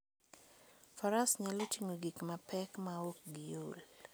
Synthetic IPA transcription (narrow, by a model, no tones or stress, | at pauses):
faɾasɲalot͡ʃiŋoɡikmapɛkmaok̚ɡɪjol